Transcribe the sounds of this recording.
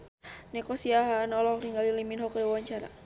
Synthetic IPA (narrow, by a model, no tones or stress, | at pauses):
nɛkɔsiaɦanɔlɔɔkniŋɡaliliminɦɔkdiwawaɲt͡ʃaɾa̰